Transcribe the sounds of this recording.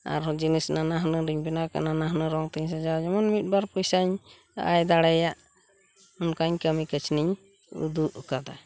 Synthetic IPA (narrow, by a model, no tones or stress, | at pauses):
a̰ɾd͡ʒinisnanaɦnəɾiɲbɛnaka̰nanaɦnəɾɔŋt̪iɲs̬ad͡ʒaɾad͡ʒɔmɔnmit̪̚baɾpujsaɲ | a̰jd̪aɽɛjaʔ | ɔnkaɲkəmikət͡ʃniɲ | ṵd̪uʔukad̪a